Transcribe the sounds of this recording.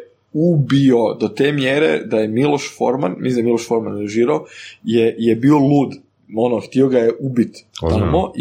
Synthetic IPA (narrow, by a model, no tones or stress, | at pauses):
ubiod̪ot̪eːmjeɾḛd̪ajemilˠo̞ʃfo̰ɾmanmisimiloʃfo̞ɾmanuʒiːɾaojejebiːo̞lˠuːd̪ | o̞noxt̪io̞ɡajeʔubit̪t̪amo̞ʔ